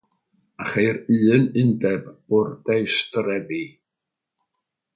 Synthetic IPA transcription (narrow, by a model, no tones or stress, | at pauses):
aχejɾɨːnɪndɛbʊrdejstrɛbi